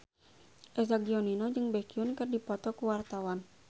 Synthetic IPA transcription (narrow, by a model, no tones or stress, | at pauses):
ʔɛs̬aɡiɔninɔd͡ʒɨŋbɛkiunkərdipɔt̪ɔkuwart̪awan